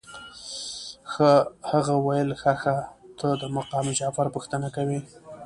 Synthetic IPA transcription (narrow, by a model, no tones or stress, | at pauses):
xahaɣawajəlxaxat̪ʰəd̪əmaqɑmd͡ʒafaɾpuxt̪ənakawi